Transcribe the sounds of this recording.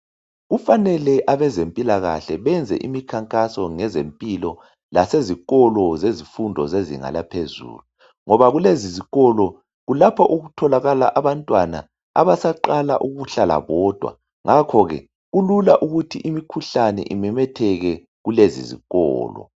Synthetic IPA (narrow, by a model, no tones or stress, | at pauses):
ɣufanɛlɛʔaβɛzempʼilaɣa̰ɬɛβɛnd͡zʱɛ̰ʔimikʰaŋkʼasɔŋɛzempʼilɔ | laseziɣɔlɔzezifundʱɔzezḭŋa̰lapʰezṵːlu | ŋɔβaɣuleziziɣɔlɔ | ɣulapʰɔʔuɣutʰɔlaɣala̰ʔaβantʼwana̰ | a̰βasaǃala̰ʔuɣuɬala̰βɔd̥ʱwa̰ | ŋakʰɔɣɛ̰ | ɣululaʔuɣutʰiʔimikʰuɬanɛ̰ʔimɛmɛtʰɛɣɛ | ɣulezḭzḭɣɔ̰ːlɔ̰